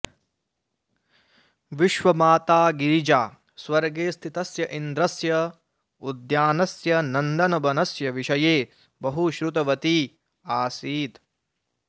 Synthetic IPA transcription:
ʋiʃʋɐmaːt̪aːɡiɾid͡ʒaː | swɐɾɡeːst̪ʰit̪ɐsjɐʔind̪ɾɐsjɐ | ud̪jaːnɐsjɐnɐnd̪ɐnɐbɐnɐsjɐʋiʃɐjeː | bɐɦuʃɾut̪ɐʋɐt̪i | aːsiːt̪

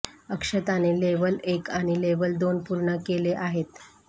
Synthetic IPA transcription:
əkʂət̪aneleʋəlekaɽ̃ileʋəld̪onpuɾɳəkeleʔaɦet̪

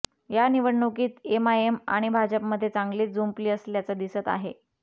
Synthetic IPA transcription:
janiʋəɽɳukiːt̪emaema̰ɽ̃ibʱad͡ʑəpməd̪ʱːjet͡saŋɡliːt̪̚d͡zumpliːəsljat͡sad̪isət̪a̰ɦe

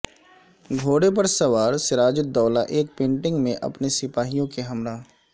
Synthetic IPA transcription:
ɡʱoːɽepɐɾsɐʋaːɾsɪɾaːd͡ʒɪd̪ɔːlaʔeːk̚pẽːɳʈɪ̃ŋɡmẽʔɐ̰pnesɪpaːɦijõkeɦɐmɾaː

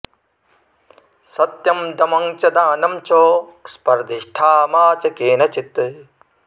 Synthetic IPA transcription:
sɐt̪jɐmd̪ɐmɐŋt͡ʃɐd̪aːnɐmt͡ʃoːspɐɾd̪iʂʈʰaːmaːt͡ʃɐkeːnɐt͡ʃit̪

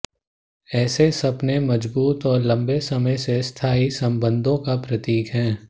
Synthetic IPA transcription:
ɛːsesɐbnemɐd͡ʒbuːt̪ɔːɾlɐ̃mbesɐməjsest̪ʰaːisɐ̃mbə̃nd̪ʱõkapɾɐt̪iːkɦɛ̃ː

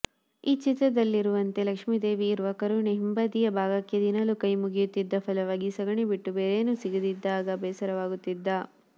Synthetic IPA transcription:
iːt͡ʃit̪ɾɐd̪ɐlːiɾuʋɐnt̪e̞lɐkʂmid̪e̞ːʋiːɾʋɐkɐɾuneɦimbɐd̪ijɐbʱaːɡɐkjed̪inɐlukɐjmuɡijut̪ːid̪ːɐpʰɐlɐʋaːɡisɐɡɐɳibiʈːubeːɾeːnusiɡud̪id̪ːaːɡɐbɛːsɐɾɐʋaːɡut̪ːid̪ːɐ

